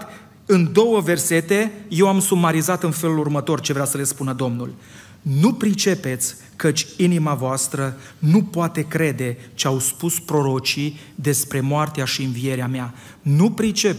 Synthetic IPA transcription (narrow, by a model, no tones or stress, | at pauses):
ɨnd̪o̞wəve̞rse̞t̪e̞je̞wamsumaɾizat̪ɨnfe̞lulurmət̪o̞rt͡ʃe̞vɾeasəle̞spunəd̪o̞mnul | nupɾit͡ʃe̞pe̞t̪sʲ | kət͡ʃʲinimavoast̪ɾə | nupoat̪e̞kɾe̞d̪e̞t͡ʃeawspuspɾo̞ɾo̞t͡ʃi | d̪e̞spɾe̞moart̪eaʃiɨnvie̞ɾeamea | nupɾit͡ʃe̞p